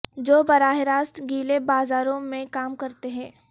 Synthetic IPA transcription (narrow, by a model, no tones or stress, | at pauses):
d͡ʒoːbɐɾaːɦeɾaːst̪ɡiːlebaːzaːɾõmẽkaːmkɐɾt̪eɦɛ̃ː